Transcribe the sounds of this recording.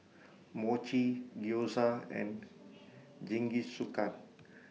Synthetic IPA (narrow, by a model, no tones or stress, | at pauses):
mot͡ʃiɡiosaɛ̰̃n | d͡ʒĩŋɡisukan